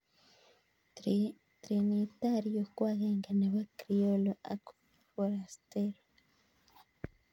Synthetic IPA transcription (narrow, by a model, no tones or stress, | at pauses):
t̪ɾinit̪aɾijokwaɣeŋɡaneβakɾioloʔa̰ko̥ | foɾast̪eɾo